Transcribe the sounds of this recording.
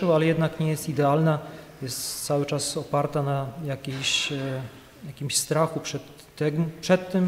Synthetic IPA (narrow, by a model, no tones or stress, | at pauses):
ɛwalɛjɛd̪nakɲɛjɛst̪id̪ɛalnajɛst̪t̪sawɘt͡ʂasɔpaɾt̪anajakʲeɕ | jakʲimɕst̪ɾaxupʂɛt̪ːɛɡpʂɛt̪ːɘm